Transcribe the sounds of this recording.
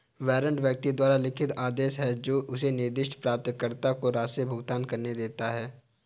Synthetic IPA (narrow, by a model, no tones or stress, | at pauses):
ʋɛːɾə̃ɳɖʋjɐk̚t̪id̪waːɾalɪkʰɪt̪aːd̪eːʃɦɛd͡ʒoːʔʊsenɪɾd̪ɪʃʈʰpɾaːp̚t̪kəɾt̪akoɾaːsebʱʊɡt̪aːnkɐɾned̪eːt̪aɦɛː